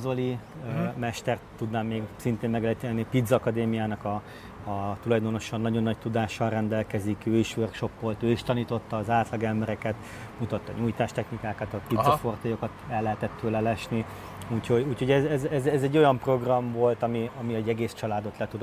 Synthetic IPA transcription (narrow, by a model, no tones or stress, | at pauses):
zoliømɛʃt̪ɛrt̪ːud̪naːmːeːɡsint̪eːmmɛɡɛlit̪iɛnːipid̪zːkɒd̪eːmijaːnɒkɒː | t̪ulɒjd̪o̞no̞ʃɒnːɒɟo̞nːɒc̚t̪ud̪aːʃɒnrɛnd̪ɛlkɛzikøːiʃʋørkʃo̞pːolt̪øːiʃt̪ɒniːt̪o̞t̪ːɒːzaːt̪lɒɡɛmbɛɾɛkɛt̪ | mut̪ɒt̪ːɒɲuːjt̪aːʃt̪ɛxnikaːkɒt̪ɒpid̪zɒfo̞rt̪ojokɒt̪ɛlːɛɦɛt̪ɛt̪ːøːlɛlɛʃni | uːcʰho̞ɟuːcho̞ɟɛzɛzɛzɛzɛɟːo̞jɒmpro̞ɡrɒɱvo̞lt̪ɒmiɒmiɛɟɛɡeːst͡ʃɒlaːd̪o̞t̪lɛt̪ud̪